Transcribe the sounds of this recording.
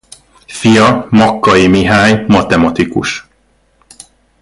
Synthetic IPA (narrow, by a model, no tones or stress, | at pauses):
fijɒmɒkːɒjimiɦaːɲmɒt̪ɛmɒt̪ikṵʃ